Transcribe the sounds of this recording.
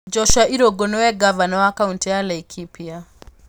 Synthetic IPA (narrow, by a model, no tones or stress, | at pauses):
d͡ʒɔʃwaʔiɾoɡonɔwɛɡavanɔwakauntijalaikʰipia